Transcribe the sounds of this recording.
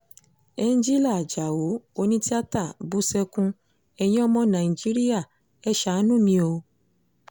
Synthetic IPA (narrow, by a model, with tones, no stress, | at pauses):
e˦˧n˦d͡ʒi˦la˦˨d͡ʒa˨wo˨˦o˦nĩ˦ti˦a˦ta˦˨bu˦sɛ˧kũ˧ | ɛ˧˨jĩ˦ɔ˦mɔ̃˧nã˨i˨d͡ʒi˦ɾi˦ja˦˨ | ɛ˦ʃa˨˦nũ˦˨mĩ˧o˧